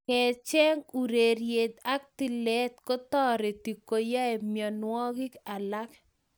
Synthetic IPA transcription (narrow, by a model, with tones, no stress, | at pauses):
kɛ˨t͡ʃɛ˦ŋu˨ɾe˨ɾje˨d̪a˦k̚ti˨lɛ˦t̪ko˦tɔ˦ɾe˨ti˨kːo˨ja˦e˨mjɔ˨nwɔ˦ɡɪ˦ka˨la˦k